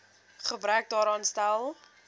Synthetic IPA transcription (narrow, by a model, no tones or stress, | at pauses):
χəbɾœk̚dɑːɾɑːnstælˠ